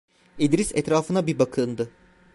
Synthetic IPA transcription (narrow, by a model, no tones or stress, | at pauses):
id̪ɾisɛt̪ɾaːfɯnabibakʰɯnd̪ɯ